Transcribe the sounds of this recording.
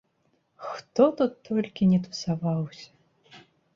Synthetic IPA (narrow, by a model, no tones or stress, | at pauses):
xt̪ɔt̪ut̪ːɔlʲkʲinʲɛt̪u̥savawsʲɐ̥